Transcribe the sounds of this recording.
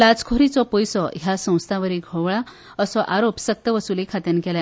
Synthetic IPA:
lat͡skʰoɾit͡sɔpɔjsɔjasə̃w̃st̪ʰaʋəɾiɡʱɔʋɭa | əsɔʔaɾopsək̚t̪əʋəsulekʰat̪ənkɛla

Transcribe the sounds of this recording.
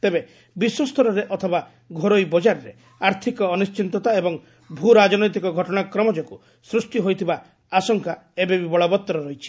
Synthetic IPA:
t̪ebe | biswɔst̪ʰɔɾɔɾeʔɔt̪ʰɔba | ɡʱoɾojbɔd͡ʒaɾɔɾe | aɾt̪ʰikɔːnist͡ʃint̪ɔt̪aebɔŋ | bʱuɾad͡ʒɔnɔjt̪̬ikɔɡʱɔʈɔɽ̃akɾɔmɔd͡ʒɔku | sɾusʈiɦojt̪ʰiba | asɔŋkaebebibɔɭɔbɔt̪ːɔɾɔɾɔɦjt͡ʃʰi̥

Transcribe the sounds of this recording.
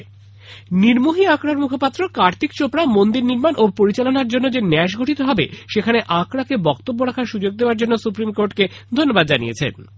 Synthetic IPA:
niɾmuɦiakɽaɾmukʰopat̪ːɾokaɾt̪ʰikt͡ɕopɾamond̪iɾniɾmanʔopoɾit͡ɕalonaɾd͡ʑonːod͡ʑenɛʃ̬ɡʱoʈʰit̪oɦɔbḛʃekʰaneʔakɾakebɔkt̪obːoɾakʰaɾʃud͡ʑoɡ̚d̪eoaɾd͡ʑonːosupɾimkoɾʈked̪ʱonːobad̪̚d͡ʑanḭjḛt͡ɕʰḛn

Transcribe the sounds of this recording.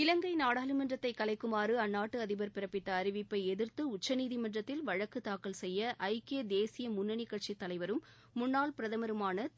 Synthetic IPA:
ɪlɐŋɡɐɪnaːɽaːlɯmɐndrɐt̪ːɐɪkːɐlɐɪkːɯmaːɾɯɐnːaːʈːɯɐðɪbɐɾpɪɾɐpːɪt̪ːɐːɾɪʋɪpːɐɪɛðɪɾt̪ɯʊt͡ʃːɐniːðimɐndrɐt̪ːɪlʋɐɻɐkːɯt̪ːaːkːɐlsɛjːɐʔɐɪkeːd̪eːsɪjɐmʊnːɐnɪkːɐʈt͡ʃit̪ːɐlɐɪʋɐɾɯmː | ʊnːaːlpɪɾɐðɐmɐɾɯmaːnɐ

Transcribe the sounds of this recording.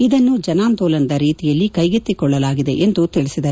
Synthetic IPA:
id̪ɐnːud͡ʒɐnaːnt̪oːlɐnɐd̪ɐɾiːt̪ijɐlːikɐjɡit̪ːikɔɭːɐlaːɡid̪e̞ʔend̪ut̪iɭisid̪ɐɾ

